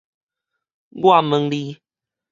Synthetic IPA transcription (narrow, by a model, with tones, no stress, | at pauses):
ɡwa˥˨mə˧ŋli˦